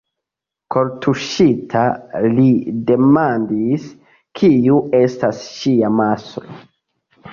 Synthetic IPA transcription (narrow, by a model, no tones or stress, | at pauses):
kʰo̞ɾtʰuʃitʰalide̞mandis | kʰiuʔe̞stasʃiamasoo